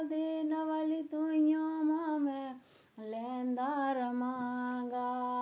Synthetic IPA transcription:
d̪enɐʋalit̪ujõmamɛ̃ | lɛnd̪aːɾmaŋɡa

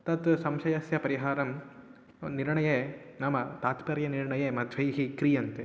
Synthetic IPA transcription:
t̪ɐt̪sɐmʃɐjɐsjɐpɐɾɪɦaːɾɐm | nɪɾɐɳɐjenaːmɐt̪aːt̪pɐɾjɐnɪɾɳɐjemɐd̪ʱʋɐjɦikɾijɐnt̪

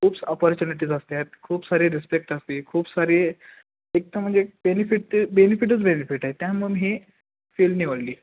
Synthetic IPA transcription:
kʰuːpsɔpɔɾt͡ɕuniʈ̬iːd͡zast̪et̪̚kʰuːpsaɾiːɾispek̚ʈast̪iːkʰuːbsaɾi | ek̚t̪am̤əɳd͡zebenifiʈːbenifiʈ̬ət͡sbenifiʈaɦet̪jãmənɦi | felniʋəɽliː

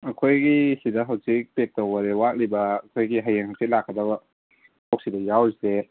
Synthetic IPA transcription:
ɐkʰojɡisidɐɦawsik̚pek̚towaɾewak̚libɐːkʰojɡiɦajaŋhawsik̚lakːɐdabɐ | tʰok̚sidɐjawse

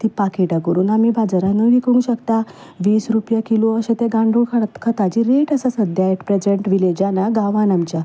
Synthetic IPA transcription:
t̪ipakeʈakəɾuːnamibʱad͡zaɾãnəʋikũŋɡɕəkt̪a | ʋiːsɾupjakiloəɕẽt̪eɡãɳɖukʰat̪kʰət̪ad͡ʑiːɾeʈəsasəd̪ʱjaeʈpɾed͡ʑeɳʈʋiled͡ʑanaɡaʋãnamt͡ɕja

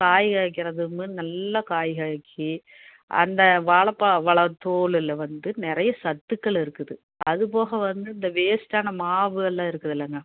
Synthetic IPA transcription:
kaːjɣaːjɐkːɪɾɐðɯmɯnɐlːɐkaːjɣaːjɐkʰːi | ʔɐ̰nd̪ɐʋaːɭɐpːaːʋɐɭɐt̪ːoːɭɪlʋɐnd̪ɯnɪɾɐjɐsɐt̪ːɯkːɐɭɪɾɯkːɯðɯ | ɐðɯp̬oːɣɐʋɐnd̪ɯɪnd̪ɐʋeːsʈaːnɐmaːʋɯɐlːãːɪɾɯkːɯðɪlːɐŋɡɐ

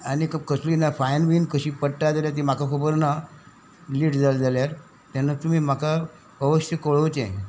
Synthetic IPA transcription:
aɽ̃ikkəsliːnafajnʋiːnkəɕiːpəɽʈad͡zaljat̪̬imakʰakʰəbəɾna | liːʈd͡zald͡zaljaɾ | t̪janːat̪um̤iːm̤akʰa | əʋəɕəkoɭəwt͡ɕe

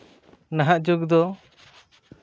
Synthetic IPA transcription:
naɦaʔd͡ʒoɡd̪ɔ

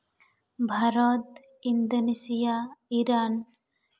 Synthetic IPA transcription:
bʱaɾɔt̪ | ind̪onesijaiɾan

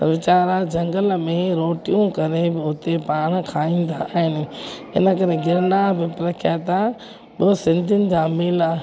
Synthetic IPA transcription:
ʋɪt͡ɕaːɾad͡ʑɐ̃ŋɡəlmẽɾoːʈijũkɐɾebɪʊt̪epaːɽ̃̆kʰaːĩːn̆d̪aaːɦɪnɪ̆ | ɪ̰nə̆k̬ɐɾeɡɪɾnaːbɪpɾɐkʰjaːt̪a | ɓɪsɪ̃nd̪ʱɪnɪ̆d͡ʑãːmɪla

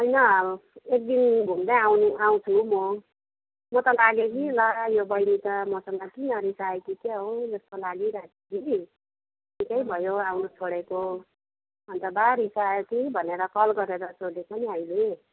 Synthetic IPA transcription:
ʌjnʌek̚d̪inbʱumd̪ʌawnuaw̃t͡sʰumo | mʌt̪ʌlaɡekilʌjobʌjnit̪ʌmʌsʌŋɡʌkinʌɾisaekikeɦod͡zʌst̪olaɡiɾat̪ikii | nikʌjbʱʌjoawnʌst͡sʰoɽeko | ʌnt̪ʌbaɾisajekibʱʌneɾʌkʌlɡʌɾeɾʌsʰoɖet͡sʰʌniɦʌjlue

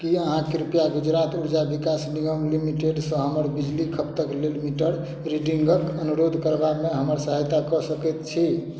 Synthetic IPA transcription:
kiəɦãkeɾupjaɡud͡ʒɾat̪ʰuɽd͡ʒabikasniɡəmlimiʈeɖsə̃ɦəməɾbid͡ʒlikʰəpt̪əklelmiʈəɽ | ɾiɖiŋɡəkənuɾod̪ʱkəɾbameɦəməɾsəɦəjt̪akɔsəkɛt̪t͡ʃʰi

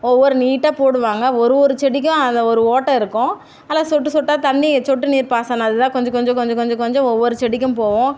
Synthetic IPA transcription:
ɔʋːɔɾɯniːʈːaːpoːɽɯʋaːŋɡɐɔɾɯɔɾɯt͡ʃɛɽɪk̬ːʊ̃ɐnd̪ɐɔɾɯoːʈːɐɪɾɯkːʊ̃ | ɐlːaːsɔʈːɯsɔʈːaːt̪ɐɳːit͡ʃɔʈːɯniːɾpaːsaːnaɐðɯt̪ãːkɔɲd͡ʒɔ̃kɔɲd͡ʒɔ̃kɔɲd͡ʒɔ̃kɔɲd͡ʒɔ̃kɔɲd͡ʒɔ̃ɔʋːɔɾɯt͡ʃɛɽɪk̬ʲːɯ̃mpoːʋʊ̃

